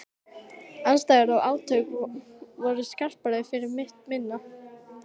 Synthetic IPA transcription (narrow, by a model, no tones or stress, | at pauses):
anst̪ajɣaɾawaːwt̪ʰœːɥkvɔɾʏskar̥palɛfɪɾɪɾmɪht̪mɪnːa